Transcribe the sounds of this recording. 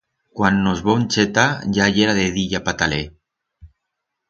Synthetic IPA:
kwanːozβonʲt͡ʃet̪ajajeɾaðeðiʎapat̪ale

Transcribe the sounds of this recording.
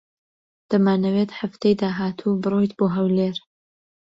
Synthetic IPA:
d̪̥ɐmaːnɐwet̪ħaft̪ejd̪aːɦaːt̪ʰubɨrˤojt̪boːɦɐwleːɾ

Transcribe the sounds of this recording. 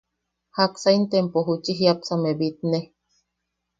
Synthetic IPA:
haksaint̪empoɦut͡ʃiɦiapsamebit̪ne

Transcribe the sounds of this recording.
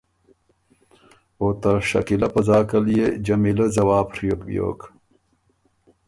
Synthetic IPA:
oːt̪ɐɕɐ̰kilɐpɐzaːkɐljed͡ʑɐmilɐzɐwaːpɾijokbjo̰ːk

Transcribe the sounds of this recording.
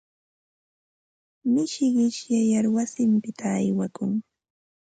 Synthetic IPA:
mɪʃɢɪʃjajaɾwasɪmpɪt̪ʰaːjwakʊŋ

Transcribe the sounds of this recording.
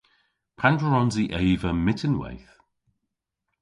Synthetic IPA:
pʰandɹəɹɔnziʔejvəmɪtʰənwḛjθ

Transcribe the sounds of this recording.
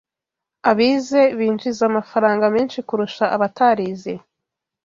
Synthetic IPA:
aβize̞βiːnd͡ʒizamafaɾaːŋɡameːnʃikuɾuʃaʔaβataɾiːze

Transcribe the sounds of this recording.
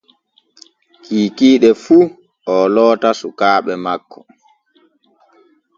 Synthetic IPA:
kiːkiːɗɛfu | ʔɔlɔːtasukaːɓɛmakʰːɔ̥

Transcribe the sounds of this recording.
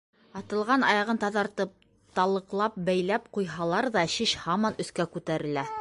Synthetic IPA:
ɑt̪ɤ̆lˠʁɑnɑjɑʁɤnt̪ɑðɑɾt̪ɤp̚ | t̪ɑlˠɤ̆qlˠɑp̚bæjlæp̚qujɦɑlˠɑɾðɑɕiʃhɑmɑnɵ̆θkækʉt̪æɾɘ̆læ

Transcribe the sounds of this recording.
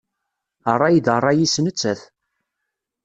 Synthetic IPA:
ərˤːɑjd̪ərˤːɑjisnət͡sːæθ

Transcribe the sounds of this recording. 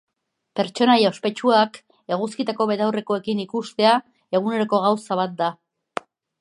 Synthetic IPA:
pe̞ɾt͡ʃo̞najaospe̞t͡ʃuak | e̞ɣ̞uskit̪ako̞βet̪awre̞ko̞e̞kinikust̪e̞a | e̞ɣ̞une̞ɾoko̞ɣ̞awsaβ̞at̪̚d̪a

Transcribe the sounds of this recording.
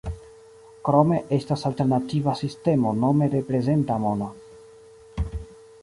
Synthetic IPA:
kɾo̞me̞ʔe̞stasalte̞ɾnativasiste̞mo̞no̞me̞ɾe̞pɾe̞ze̞ntamona

